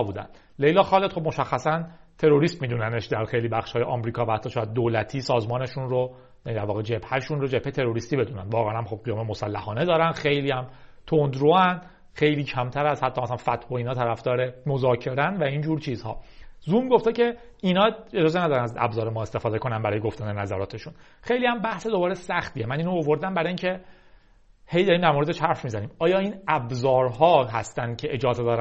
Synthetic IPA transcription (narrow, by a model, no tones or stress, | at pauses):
buːd̪æ̰nd̪̥ | lejlɒːxɒːlet̪χob̚moʃæxːæsænt̪ʰe̞ɾo̞ɾiːst̪miːd̪uːnæneʃd̪æɾxe̞jliːbæχʃhɒːjeʔɒːmɾiːkʰɒːvæhæt̪ʰːɒːʃɔːjæd̪̚ːoːlæt̪ʰiːsɒːzmɒːne̞ʃunro | jænid̪æɾvɒːɣed͡ʒe̞bhæʃunro̞d͡ʒe̞phet̪ʰe̞ɾo̞ɾiːst̪iːbe̞d̪uːnænd̪vɒːɣeænæmχo̞b̚ɡijɒːmemosælːæhɒːne̞d̪ɒːɾænxe̞jliːhæmt̪ʰond̪ɾoænd̪ | xe̞jliːcʰæmt̪ʰæɾæzhæt̪ʰːɒmæsælænfæt̪ʰhoiːnɒːt̪ʰæɾæfd̪ɒːɾemozɒːcʰe̞ɾænvæiːnd͡ʒuːɾt͡ʃʰiːzhɒ̰ːzumɡo̞ft̪ecʰe̞ | inɒːed͡ʒɒːzenæd̪ɒːɾænæzæ̰bzɒːɾemɒːe̞st̪e̞fɒːd̪e̞ko̞nænbæɾɒːjeɡoft̪ænd̪enæzæɾɒːt̪ʰe̞ʃun | xe̞jliːhæmbæhse̞d̪o̞bɒːɾesæxt̪iːemæniːnoovo̞ɾd̪æmbæɾɒiːncʰe̞ | he̞jd̪ɒɾiːmd̪æɾmoɾed̪eʃhæɾfmiːzæniːmɒːjɒːiːnæbzɒːɾɦɒːɦæst̪æncʰe̞ʔed͡ʒɒːzed̪ɒːɾæ